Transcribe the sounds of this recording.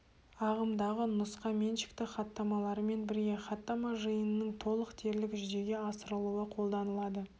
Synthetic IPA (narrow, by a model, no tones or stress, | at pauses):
ɑʁəmd̪ɑʁənʊsqɑme̞nʃɪ̥kt̪ɪχɑt̪ːɑmɑlˠɑɾəme̞nbɪɾɡʲe̞χɑt̪ːɑmɑʒəjənənəŋt̪ʰo̞lˠəqt̪ʰe̞ɾlɪkʒʏd̪e̞ɡʲe̞ɑsəɾəlˠuwəqʰo̞lˠd̪ɑnəlˠɑd̪ə